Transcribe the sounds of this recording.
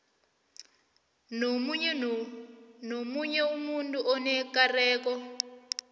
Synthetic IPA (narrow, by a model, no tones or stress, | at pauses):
nomuɲ | nomuɲɛwumunduʔɔnɛkarɛːkɔ